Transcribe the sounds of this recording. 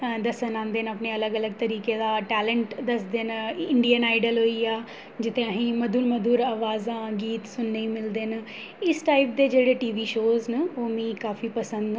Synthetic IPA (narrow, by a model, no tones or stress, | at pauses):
d̪əsənãːnd̪eːnəpneːələɡələɡ̚t̪əɾiːkeːd̪aːʈɛːlə̃ɳʈd̪əsd̪eːnɪɳɖijənaːɪɖəlɦoːiːaː | d͡ʒɪt̪ẽəɦĩːməd̪uːlməd̪ʱuːɾaːʋaːzãːɡiːt̪sʊnːəiːmɪld̪eːn | ɪsʈaːip̚d̪eːd͡ʒeːɽeːʈiːʋiːʃoːznəoːmĩːkaːfiːpəsə̃nd̪